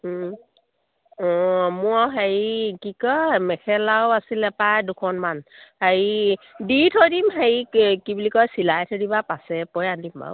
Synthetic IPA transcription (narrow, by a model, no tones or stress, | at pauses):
ɔmʊaɦaɹikikɔmɛkʰɛlawasilɛpajdukʰɔnmanhaɹiditʰɔdimɦaɹikibulikɔjsilajtʰɔdibapasɛpɔjandimba̰w